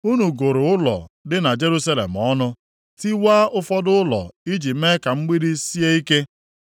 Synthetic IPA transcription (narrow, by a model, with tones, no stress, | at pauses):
u˦nu˨ɡo˨ɾʊ˨ʊ˦lɔ̰˨dɪ˦na˨d͡ʒe˦ɾu˦sa˦lḛ˨m̩˨ɔ˦nʊ˦ | ti˦waː˦ʔʊ˦fɔ˦dʊ˦ʊ˦lɔ̰˨i˦d͡ʒi˨pme˦ka˨ŋ͡m̩˦ɡ͡bi˦ɾi˦si˦e˦i˦ke˦